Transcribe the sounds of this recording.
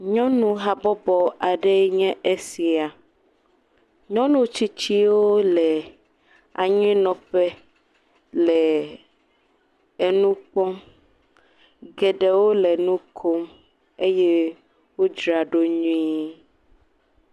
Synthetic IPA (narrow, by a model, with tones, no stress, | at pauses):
ɲɔ̃˦nũ˦ɦa˨bɔ˦bɔ˨a˨ɖɛ˦ɲɛ̃˦ʔe˦si˨a˨ | ɲɔ̃˦nũ˦t͡ɕi˦t͡ɕi˦wo˦lɛ˨ | a̰˨ɲĩ˦nɔ̃˨ɸɛ˦ | lɛ˨ | e˦nũ˦k͡pɔ˦m | ɡɛ˨ɖɛ˨wo˦lɛ˨nũ˦kʰo˦m | e˦jɛ˦ | wo˦d͡ʒɾa˨ɖo˦ɲũ˦ĩ˦